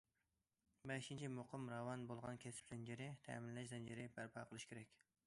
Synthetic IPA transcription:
bɛʃint͡ʃʰimoqʰəmɾɑwɑnbolˠʁɑ̰nkʲʰɛsɪ̥pzɛnd͡ʒeɾɪt̪ʰɛ̰ːmɪnllɛʃ̬d̪ɛnd͡ʒeɾɪbæɾpʰɑqʰəlˠɨʃkʲʰeɾɛkʲ

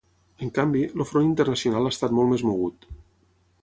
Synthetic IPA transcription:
əŋkambiləfɾonint̪ərnəsiunalˠast̪at̪molˠmezmoɣ̞ut̪

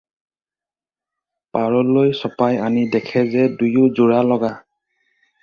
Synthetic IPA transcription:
paɹɔlojsɔpajanidɛkʰɛzɛdujʊzuɹalɔɡa

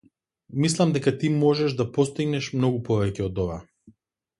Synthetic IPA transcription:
mislˠamd̪ɛkat̪imɔʒɛʒd̪apɔst̪iɡnɛʃmnɔɡupɔvɛcɛɔd̪ɔva

